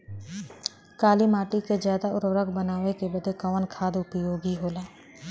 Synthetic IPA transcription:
kaːlimaːʈikezjaːd̪aʊɾʋɾəɡbənaːʋekebəd̪ʱekəʋənkʰaːd̪ʊpjoːɡiɦoːlaː

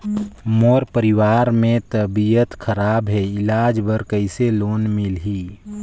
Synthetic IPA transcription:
moːɾpəɾiwaːɾmẽt̪əbijət̪kʰəɾaːbɦɛɪlaːd͡ʒbəɾkəɪseloːnmilɦiː

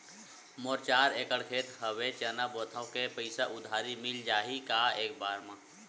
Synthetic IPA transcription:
moɾt͡ʃaːɾeːkəɽkʰeːt̪ɦəwet͡ʃənabot̪ʰaokepəɪsaʔʊd̪ʱaːɾimɪld͡ʒaːɦikaeːkbaːɾmã

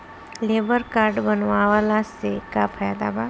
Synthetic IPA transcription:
leːbəɾkaːɾɖbənʋaʋalasekapʰajad̪a̰ba

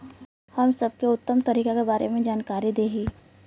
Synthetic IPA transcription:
hɐmsɐb̚keʊt̪ːəmt̪ɐɾiːkakebaːɾḛmẽd͡ʒaːnkaːɾid̪eːɦiː

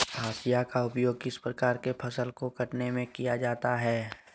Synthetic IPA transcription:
aːsijakaʊpjoːɡkɪspɾɐkaːɾkepʰɐsəlkokɐʈnemẽkijad͡ʒaːt̪aɦɛː

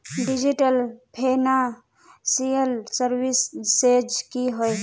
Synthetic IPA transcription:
ɖid͡ʒiʈəlpʰena | sijəlsəɾwisːed͡ʒkiɦoj

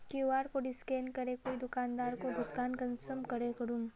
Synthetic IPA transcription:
keʋaːɾkoɖɪskeːnkəɾekoːid̪ʊkaːnd̪aːɾkobʱɐt̪kaːnkənsəmkəɾekəɾum

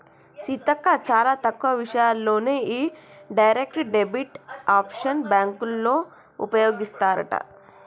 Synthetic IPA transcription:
sit̪ɐkːat͡ʃaːɾat̪ɐkːʋɐʋiʃɐjalːoːneiɖɐjɾekʈɖebiʈaːpʃɐnbaːŋkulːo | ṵpɐjoːɡist̪aːɾɐ̰ʈa̰

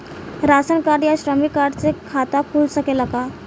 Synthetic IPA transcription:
ɾasənkaɾjaɕɾəmikaɾɖt͡sekʰat̪akʰulsəkelaka

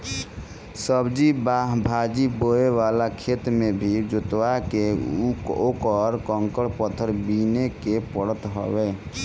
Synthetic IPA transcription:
səbd͡ʒibaɦbʱad͡ʒiboeʋalakʰet̪mebʱid͡ʒut̪wake | okəɾkəŋkəɽpət̪ʰəɾbinekepəɽət̪ɦə̰bɛ

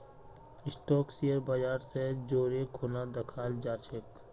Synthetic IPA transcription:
ɪsʈɔːksijəɾbad͡ʒaːɾsed͡ʒoːɾekʰoːnad̪ɐkʰaːld͡ʒaːt͡ʃʰɪk

